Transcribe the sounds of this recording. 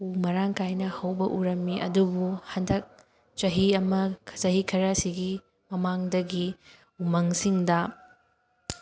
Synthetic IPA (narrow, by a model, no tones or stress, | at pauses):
umɐɾaŋkajnɐhɐwbɐʔuɾɐmːiʔɐ̰dubuhɐndɐk̚ | t͡ʃɐɦiɐmɐkʰt͡ʃɐɦikʰɐɾɐsiɡi | mɐmaŋdɐɡi | umɐŋsiŋdɐ